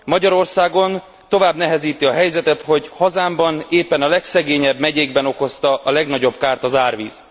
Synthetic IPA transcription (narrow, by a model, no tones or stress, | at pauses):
mɒɟɒɾo̞rsaːɡo̞n | t̪o̞vaːbnɛɦɛziːt̪iɒɦɛjzɛt̪ɛt̪ho̞ɟhɒzaːmbɒneːpːɛnɒlɛksɛɡeːɲɛbmɛɟeːɡbɛno̞ko̞st̪ɒʔɒlɛɡnɒɟo̞bkaːrt̪ɒzaːrʋiːz